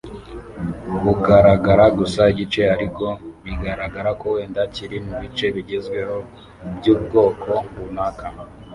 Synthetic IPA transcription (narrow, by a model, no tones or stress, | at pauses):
kuɡaɾaɡaɾaɡusaiɟit͡ʃe̞aɾiko̞niɡaɾaɡaɾakowe̞ːndaciɾimuβit͡ʃe̞βiɟezɡwe̞ho̞ | bjuːb̚ɡo̞ːkʰo̞ŋɡunaːka